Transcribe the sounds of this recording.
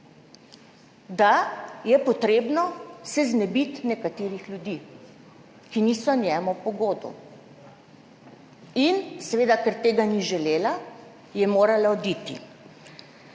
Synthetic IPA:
d̪ajɛpɔt̪ɾeːbnɔsɛznɛbit̪nɛkat̪eːɾixlʲjud̪iː | kiniːsɔnjɛːmɔpɔɡoːd̪ɔ̰ | insɛʋeːd̪akɛɾt̪eːɡaniʒɛleːla | jɛmoːɾalaɔd̪it̪ḭ

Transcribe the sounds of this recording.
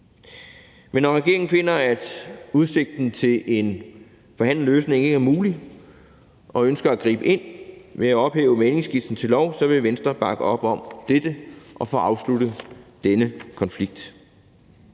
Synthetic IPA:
menːɒʁɛɡ̥e̝ɐe̝ŋn̩fe̝n̰ɐæd̥uðˠse̝ɡ̥̚d̥n̩t͡sʰe̝le̝n | fɒ̽hæn̰l̩løːsne̝ŋe̝ɡ̥æɐmuːli | ʔɒ̽ønsɡ̥ɐæɡ̥ʁḭːb̥əe̝n̰me̝æɒ̽b̥hḛːʊəmene̝ŋsɡ̥ifd̥n̩t͡sʰe̝lɒʊ̰sɒ̽ʋe̝ʋensd̥ʁɐb̥ɑ̈ɡ̥əɒ̽b̥ɒ̽md̥ed̥əʔɒ̽fɒ̰ːɑ̈ʊslud̥əd̥enəkʰɒ̽nfliɡ̥̚d̥

